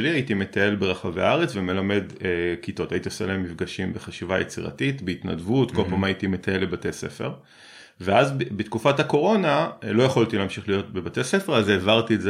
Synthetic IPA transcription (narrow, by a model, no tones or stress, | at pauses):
liajitime̞tae̞lbeʁaχavea̰aʁet͡sveme̞lame̞dekito̞tajitioseleemːifɡaʃimbe̞χaʃivajʔḛt͡siʁa̰titbeit̪na̰dvutko̞lpamajitime̞t̪ae̞lebatese̞̰fe̞̰ʁ | veazbbetkufathako̞ʁo̞nalo̞jeχolt̪ileamʃiχlijo̞tbebate̞sefeʁazeːvaʁt̪ietz